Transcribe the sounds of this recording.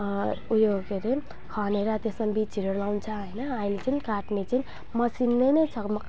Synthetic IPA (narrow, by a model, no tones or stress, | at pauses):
ujokeɾe | kʰʌneɾat̪esmabit͡siɾeɾlawnt͡sʰaɦʌjnʌailet͡sʰinikaʈnet͡sʰini | mʌsinːejnʌjt͡sʰʌkm